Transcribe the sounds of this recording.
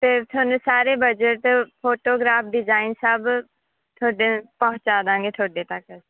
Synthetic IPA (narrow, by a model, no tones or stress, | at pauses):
teːt̪ʰonuːsaːɾeːbəd͡ʒəʈpʰoːʈoːɡɾaːpʰɖɪd͡ʒaːinsəːb | t̪ʰoːɖepəɦʊ̃t͡ʃaːd̪ãːŋɡeːt̪ʰoːɖeːt̪ək